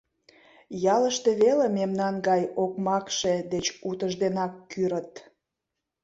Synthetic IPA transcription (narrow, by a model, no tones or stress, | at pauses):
jɑləʃt̪eβelememnɑnɡɑjokmɑkʃed̪et͡ɕut̪əʒd̪enɑkːyɾət̪